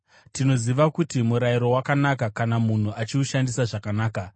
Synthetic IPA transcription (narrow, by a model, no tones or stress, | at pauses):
tino̞ziʋakutimuɾaiɾo̞wakanakakanamun̤uʔat͡ʃiuʃandisaʐakanaːka